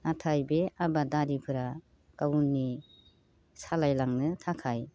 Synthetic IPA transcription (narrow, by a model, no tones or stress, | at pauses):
atʰajbeabadaɾipʰɯɾa | kawunːi | salajlaŋnɯtʰakʰaj